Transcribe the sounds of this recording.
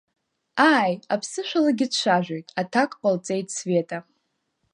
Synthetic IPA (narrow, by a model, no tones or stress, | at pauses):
aːjapʰsɨʃʷᶣalaɡʲɪdʃʷaʒᶣʷojtʼatʰakʼqʼalt͡sʼejtʰʼsve̞tʼa